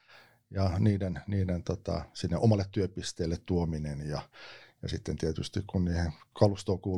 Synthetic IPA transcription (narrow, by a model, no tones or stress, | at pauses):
jɑniːdenniːdent̪ot̪ɑ̰sinːeʔomɑlːet̪t̪yøpist̪eːlːet̪t̪uominenjɑjɑ̰sit̪ːent̪iæt̪yst̪ikkunniːheŋkɑlust̪oːkuː